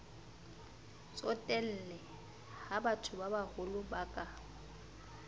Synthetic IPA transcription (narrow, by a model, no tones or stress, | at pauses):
sɔtʼɛl̩ːlɛ | habatʰʊbabahʊlʊbakʼa